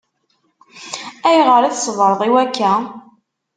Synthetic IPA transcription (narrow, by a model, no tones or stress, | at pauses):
æjʁəɾæθsəvɾˤəðˤiwækːæ